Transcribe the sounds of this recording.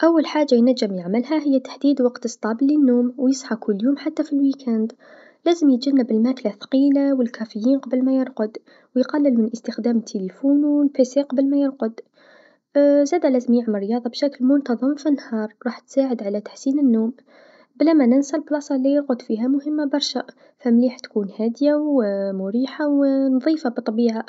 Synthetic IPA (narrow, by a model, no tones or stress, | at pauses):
ʔawːalħaːʒːajnæd͡ʒːɪmjaʕmɪlhaɦɪjːat̪ḁħd̪iːd̪wɑqt̪ɨsˤt̪ˤɑːblːənːoːmwjəsˤħɑkʰʊlːjuːmħat̪ːafilwikʰænd̪ | læːzəmjət̪d͡ʒanːɪbɪlmaklaθqiːlawɪlkʰæfɪjːiːnqɑbəlmajɪɾqʊd̪ | wjqɑlːɪlmɪnʔəst̪əxd̪æːmɪt̪ʰːelifuːnwɪlpeseqɑbəlmæjɪɾqʊd̪ | zæːd̪alæːzəmjɪʕmrːjɑːðˤɑbʃæklmʊnt̪ɑðˤəmfinːhɑːɾˤɾˤɑːħt̪saːʕəd̪ʕalat̪ḁħsiːnənːoːm | blæmænɪnsælblɑsˤɑlːijɪɾqʊd̪fiːɦamʊhəmːabɑɾˤʃa | fæmliːħt̪kuːnhæːd̪jawmʊɾiːħawnðˤiːfabt̪ˤːɑbiːʕa